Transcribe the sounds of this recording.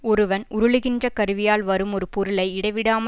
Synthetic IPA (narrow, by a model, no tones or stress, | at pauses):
ɔɾɯʋɐnʊɾɯɭɯɣɪndrɐkɐɾɯʋɪjaːlʋɐɾɯmɔɾɯpɔɾɯlɐɪɪɽɐɪʋɪɽaːm